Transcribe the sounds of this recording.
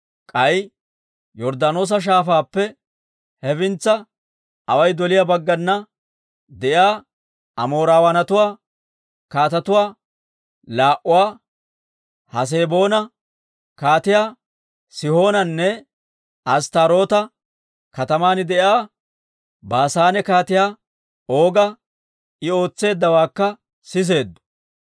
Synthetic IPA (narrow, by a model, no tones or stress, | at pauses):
kʼɐj | jɔɾd̪ɐno̞ːs̬ɐʃ̬aːfaːpːɛ | hɛfɪnt͡sːɐ | ɐwɐjd̪ɔlɪjabɐɡːɐnːɐ | d̪ɛʔjaː | ɐmo̞ːɾaːwɐnɐt̪ʊwaː | kaːt̪ɐt̪ʊwaː | laːʔʊwaː | hɐs̬e̞ːbo̞ːnɐ | kaːt̪ɪjaː | sɪho̞ːnɐnːɛ | ɐst̪aɾo̞ːt̪ɐ | kɐt̪ɐmaːnɪd̪ɛjaː | baːsaːnɛkaːt̪ɪjaː | o̞ːɡɐ | ɪo̞ːt͡sːe̞ːd̪ːɐwaːkːɐ | sɪs̬e̞ːd̪ːʊ̥